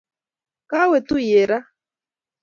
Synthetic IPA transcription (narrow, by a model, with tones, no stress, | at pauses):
ka˦wɛ˨t̪u˦je˨ɾa˦